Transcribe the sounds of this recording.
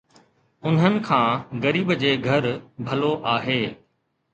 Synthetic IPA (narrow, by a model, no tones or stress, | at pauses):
ʊn̤ənɪ̆kʰãːɣɐɾiːbd͡ʑeːɡʱɐɾbʱɐloʔaːɦeː